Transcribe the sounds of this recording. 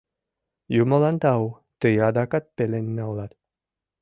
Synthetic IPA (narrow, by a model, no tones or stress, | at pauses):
jumə̆lˠɑnt̪ɑw | t̪ɯjɑd̪ɑkɑt̪̚pelenːeolˠɑt̪